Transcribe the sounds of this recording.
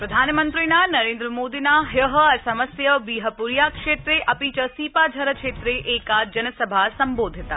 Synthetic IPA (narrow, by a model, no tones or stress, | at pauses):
pɾɐd̪ʱaːnmənt̪ɾinanɐɾeːnd̪ɾəmoːd̪inaɦjəɦəɐsɐməsjəbiːɦəpuɾjakʂeːt̪ɾeʔɐpiːt͡ʃəsiːpad͡ʒʱɐɾəkʃeːt̪ɾeʔeːkad͡ʒɐnəsəbʱasɐmboːd̪ʱit̪a